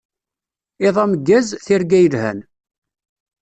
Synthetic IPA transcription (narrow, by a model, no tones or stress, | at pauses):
ɪðˤɑməɡːæzθɪɾɡæjəlhæ̰n